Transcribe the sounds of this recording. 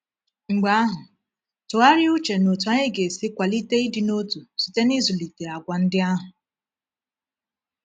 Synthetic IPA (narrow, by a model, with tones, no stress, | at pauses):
ŋ͡m̩˨ɡ͡ba˦a˦ɦʊ˨ | tʊ˨ɣa˦ɾɪ˦u˦t͡ʃe˨no˨tu˨a˦ɲe˦ɡe˨sɪ˦kʷa˨li˦te˦i˦dɪ˨no˦tu˨si̥˨te˦ni˦zʊ˨li˨te˨a˨ɡʷa˨n̩˦dɪ˦a˦ɦʊ˨